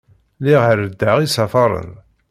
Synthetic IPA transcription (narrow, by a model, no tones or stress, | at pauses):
liʁəɾəd̪ːæʁisɑfɑɾˤə̰ð